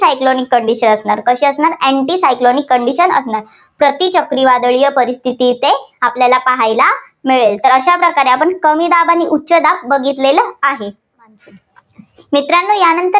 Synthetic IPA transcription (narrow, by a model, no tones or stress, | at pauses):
ajklonikːəɳɖiɕənəsɳaɾkəɕiəsnaɾeɳʈisajklonikːəɳɖiɕənə̰snaɾ | pɾət̪it͡ɕəkɾiʋad̪əɭijəpəɾist̪ʰit̪it̪eapljalapaɦajla | miɭelt̪əɾəɕapɾəkaɾeapəɳkəmiːd̪abaniʔutːɕəd̪ap̚bəɡit̪leləaɦe | mit̪ɾanːuːjanənt̪ə